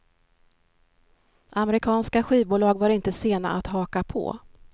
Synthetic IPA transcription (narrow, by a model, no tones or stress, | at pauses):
ʔamɛɾɪkʰɑːnskaɧiːvbuːlɑːɡvaɾɪnt̪əseːna̰ʔat̪ɦɑːkapʰɔ̰